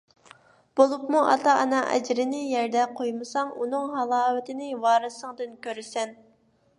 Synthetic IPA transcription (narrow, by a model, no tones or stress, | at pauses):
b̥olˠupmuʔɑ̰t̪ʰɑʔɑ̰nɑʔɛ̰d͡ʒɾɪnɪjɛɾd̪ɛqʰojmɨsɑŋunɨŋɦɑlˠɑːvɪt̪ʰɪnɪwɑːɾɨsəŋd̪ɨnkʲøɾɪsɛn